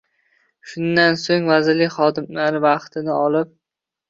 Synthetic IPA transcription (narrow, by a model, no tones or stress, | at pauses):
ʃʊnd̪ansoŋvazɪɾlɪkʲχɒd̪ɪmlaɾɪvaqt̪ʰɪnɪɒlɪp̚